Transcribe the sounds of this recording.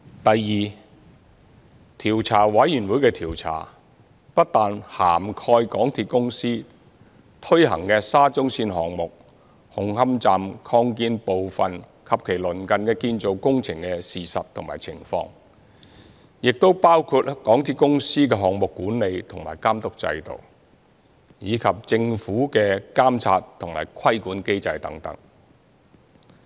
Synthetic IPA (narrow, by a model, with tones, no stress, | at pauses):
t̪ɐ˨jːiː˨ | t̪ʰiː˨˩wt͡sʰaː˨˩wɐ˨˥jjyː˨˩nwuː˨˥jkɛː˧t̪ʰiː˨˩wt͡sʰa̰ː˨˩ | pɐ˥t̚t̪aː˨nhaː˨˩mkʰɔː˧jkɔː˨˥ŋt̪ʰiː˧t̚kʊ˥ŋsiː˥ | t̪ʰɵ˥jhɐ̰˨˩ŋkɛː˧saː˥t͡sʊ˥ŋsiː˧nɦɔː˨ŋmʊ˨k̚ | hʊ˨ŋhɐ˥mt͡saː˨mkʰɔː˧ŋkiː˧npo˨wfɐ˨n | kʰɐ˨p̚kʰe˨˩jlɵ˨˩nkɐ˨nkɛː˧kiː˧nt͡so˨˧wkʊ˥ŋt͡sʰɪ˨˩ŋkɛ˧siː˨sɐ˨t̚t̪ʰʊ˨˩ŋmaː˨˩jt͡sʰɪ˨˩ŋfɔ̰ː˧ŋ | jɪ˨k̚t̪o˥wpaː˥wkʰuː˧t̚kɔː˨˥ŋt̪ʰiː˥kʊ˥ŋsiː˥kɛː˧ɦɔː˨ŋmʊ˨kːuː˨˥nle˨˧jt̪ʰʊ˨˩ŋma̰ː˨˩jkaː˥mt̪ʊ˥k̚t͡sɐ̰˧jt̪o̰˨˩w | jiː˨˧kʰɐ˨p̚t͡sɪ˧ŋfuː˨˥kɛː˧kaː˥mt͡sʰa̰ː˧tt̪ʰʊ˨˩ŋma̰ː˨˩jkʰɐ˥jkuː˨˥nke˥jt͡sɐ˧jt̪ɐ̰˨˥ŋt̪ɐ̰˨˥ŋ